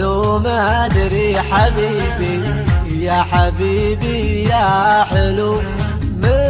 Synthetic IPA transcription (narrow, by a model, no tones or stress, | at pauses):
umad̪ɾiħabi | bi | jaħabibijaħəlu | mə